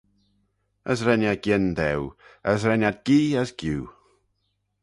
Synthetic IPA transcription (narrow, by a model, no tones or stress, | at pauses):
ə̰sɾɛnjad̚ɡjɪnd̪ɛwəsɾɛnʲad̪̚ɡ̥iːəsɡ̥juː